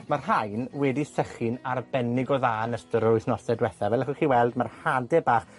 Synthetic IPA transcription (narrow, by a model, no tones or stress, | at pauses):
marɦajnwɛdisɛχɪnarbɛnɪɡɔðaːnəstəɾʊɨθnɔsɛdwɛθavɛləχəχiːwɛlˠdmarhadɛbaːχ